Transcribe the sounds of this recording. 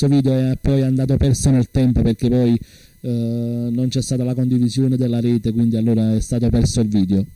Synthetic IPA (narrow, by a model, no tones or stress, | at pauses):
oviːd̪eoɛapːɔjand̪aːt̪̬opɛrsonelt̪ɛmpoperk̟epɔj | nont͡ʃɛst̪aːt̪alakond̪ivizjoːned̪elːaɾɛːt̪ekwind̪ialːoːɾaɛst̪aːt̪̬opɛrsoilviːd̪eo